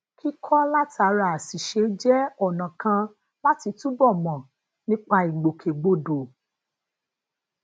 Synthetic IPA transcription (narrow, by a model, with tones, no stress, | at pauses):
kʰi˦kʰɔ˦la˦ta˨˦ɾa˧˦a˨si˨ʃe˨˧d͡ʒɛ˦ɔ˦˨nã˨kã˧ | la˦ti˧tũ˦bɔ˦˨mɔ̃˨ | nĩ˦k͡pa˧i˨ɡ͡bo˨kʰe˨ɡ͡bo˧do˨